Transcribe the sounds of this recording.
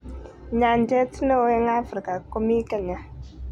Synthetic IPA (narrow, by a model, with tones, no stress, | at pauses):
ɲa˨ndɛ˦tno˦e˦ŋa˦fɾi˨ka˨ko˦mi˦ka˦˨ɲa˨